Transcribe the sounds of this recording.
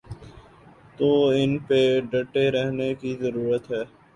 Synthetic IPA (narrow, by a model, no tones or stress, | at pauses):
t̪oːɪnpeɖɐʈːeɾɛɦnekizɐɾuːɾət̪ɦɛː